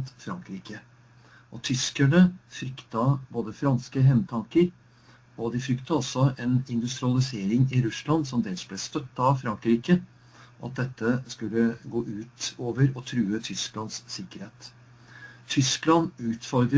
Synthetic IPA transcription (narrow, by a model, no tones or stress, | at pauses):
t̪fɾɑŋkɾiːkə | ʔɔt̪ʰʏskæɳəfɾʏkt̪ɑboːd̪əfɾɑnskəɦɛmt̪ʰɑŋkəɾ | ɔd̪ɪfɾʏkt̪ɑɔsːɔɛnɪnd̪ʉst̪ɾɪɑlɪseːɾɪŋɪɾʉslɑnsɔmd̪ɛlsblɛst̪œt̪ːɑfɾɑŋkɾiːkə | ʔɑ̰t̪̚d̪ɛt̪ʰːəskʉlːəɡoːʔʉːt̪oːʋəɾɔt̪ʰɾʉːət̪ʰʏsklɑnssɪkːəɾheːt̪ | t̪ʰʏsklɑnʉːt̪fɔɾɡɾ